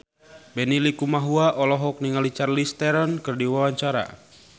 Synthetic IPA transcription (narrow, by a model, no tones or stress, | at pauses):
bɛnilikumaɦuaʔɔlɔɦɔk̚niŋalit͡ʃarlist̪ɛɾankɨrdiwawaɲt͡ʃaɾa̰